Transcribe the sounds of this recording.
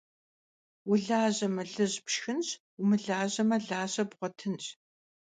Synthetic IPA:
wʊɮaːʑɐmɐɮɨʑpʃxɨnɕ | ʊmɨɮaːʑɐmɐɮaːɕɐbʁʷɔtʰɨnɕʼ

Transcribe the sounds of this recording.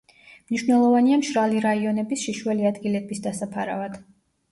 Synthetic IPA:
mniʃwnɛlˠɔvaniamʃɾaliɾaiɔnɛbisʃiʃwɛliad̪ɡilɛbisd̪asapʰaɾa̰vad̪̥

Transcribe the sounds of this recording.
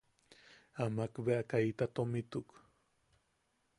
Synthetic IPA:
amakbeʔakajt̪at̪omɪt̪uk

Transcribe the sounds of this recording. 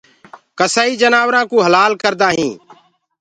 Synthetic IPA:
kəsaːiːd͡ʒənaːʋɾãːkũːɦəlaːlkəɾd̪aːɦĩː

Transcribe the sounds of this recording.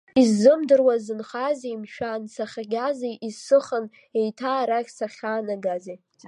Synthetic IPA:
izːɨmdɨrwazɨnχazejmʃᶣansaχʲaɡʲazejʔizsɨχən | e̞jtʰaːɾakʲsaχʲaːnaɡazej

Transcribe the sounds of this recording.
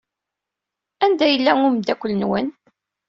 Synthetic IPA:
ænd̪æjəlːæŋʊmd̪ækʷːʊlːənwən

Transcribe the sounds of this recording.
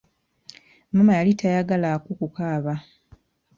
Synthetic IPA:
mumajalitʰajaɡalakukukaːβa

